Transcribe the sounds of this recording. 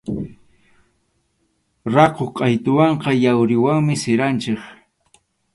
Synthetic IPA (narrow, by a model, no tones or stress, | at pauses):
ɾɑqoqʼɑjt̪ʊwɑɴqɑjawɾɪwaŋmɪsɪɾant͡ʃɪk